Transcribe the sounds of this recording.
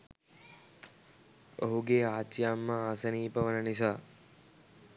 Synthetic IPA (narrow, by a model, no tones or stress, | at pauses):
o̰ɦuɡeaːt͡ʃjamːəaːsəniːpɐʋənənis̬aː